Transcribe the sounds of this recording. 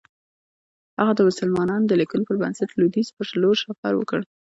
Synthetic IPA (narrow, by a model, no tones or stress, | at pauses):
haɣad̪əmʊsəlmɑnɑnd̪əlikunpəɾbansat̪lud̪izpəʂaloʃafa̰ɾwə̰kəɽ